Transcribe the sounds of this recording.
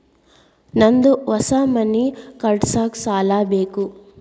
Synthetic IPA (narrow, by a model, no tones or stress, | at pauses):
nɐnd̪uʋɐsaːmɐnikɐɾɖsaːksaːlaːbeːku